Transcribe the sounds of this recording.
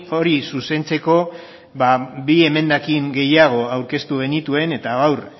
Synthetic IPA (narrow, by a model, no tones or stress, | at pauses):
o̞ɾisuse̞nt͡se̞ko̞ | baβie̞me̞nd̪akiŋɡe̞jaɣ̞o̞awɾke̞st̪uɣ̞e̞nit̪ue̞ne̞t̪aɣawr